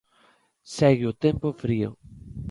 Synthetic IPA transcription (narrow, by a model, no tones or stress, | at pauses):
sɛɣɪʊt̪empofɾiʊ̰